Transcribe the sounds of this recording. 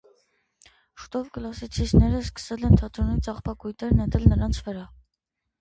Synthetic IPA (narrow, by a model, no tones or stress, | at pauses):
ʃu̥t̪ɔvkəlɑsit͡sʰisnɛɾəskə̥sɛlɛnt̪ʰɑt̪ɾɔnit͡sɑχpɑkujt̪ɛɾnɛt̪ɛlnəɾɑnt͡sʰvəɾɑ